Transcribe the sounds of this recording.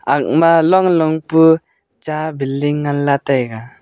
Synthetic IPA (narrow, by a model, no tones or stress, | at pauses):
ak̚malɔŋlɔŋpɯ | t͡ʃabiliŋːanːat̪ajɡa